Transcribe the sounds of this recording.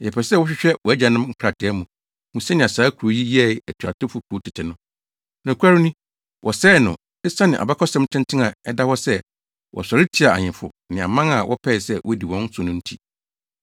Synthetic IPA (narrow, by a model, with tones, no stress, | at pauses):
ɛ˨pʰɛ˨sɛ˦wɔ˦ɕᶣɪ˦ɕᶣɛ˦wɔ˨æ˦d͡ʑã˨nɪ̃˦m˦ŋ̩˦kʰɾa˨tʰɪ˨ɛ˦mũ˨ | mũ˨sɛ˦nɪ̃˨a˨saː˨˦kʰu˨ɾo˨ji˦ji˦ɛ˦˨æ˨tʰu˨a˨tʰʊ˦fʊ˨kʰu˨˦tʰɪ˨tʰɪ˨nʊ̃˦ | nã˨kʷʰa˦ɾi˦nũ˦ | wʔɔ˨sɛː˦˨nʊ̃˨ | e˦sa˦nɪ̃˨ʔa̰˨ba˦kʰɔ˦sɛ̃˦mtʰɪ̃˦ntʰɪ̃˦nã˨ɛ˦da˦hɔ˦sɛ˦ | wʔɔ̰˨sɔ˨ɾɪ˦tʰi˦a˨a̰˨ɲɪ̃˨fʊ̰˨ | nɪ̃˨ã̰˨mã˦ŋa˨wʔɔ̰˦pʰɛ˦˨sɛ˦wʔɔ˦di˨wɔ̃˦n˦sʊ̃˨nʊ̃˦n̩˦tʰi˦